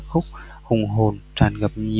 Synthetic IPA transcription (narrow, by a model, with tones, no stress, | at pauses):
k̚xʊ˦˥k͡p̚ | hʊ˨˩ŋ͡mɦo˨˩nt͡ɕaː˨˧˩nɣə˨˩p̚ɲi˨˩